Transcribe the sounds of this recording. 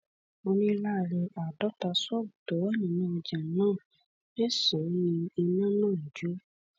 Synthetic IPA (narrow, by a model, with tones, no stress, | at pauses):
o˧nĩ˦la˦˨ɾe˧ʔa˨dɔ˦ta˧sɔ˦˨bu˨tɔ˨˦wɛ˦˨nĩ˨nã˦˧d͡ʒa˨nãː˦˨ | e˦˨sɔ˨˦ĩ˧i˧nã˦nãː˦˨d͡ʒu˨˦